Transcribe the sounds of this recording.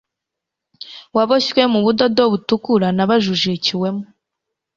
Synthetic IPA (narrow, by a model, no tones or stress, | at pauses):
waβoʃwemuβudodoβutukuɾanaβaʒuʒiciwe̞mu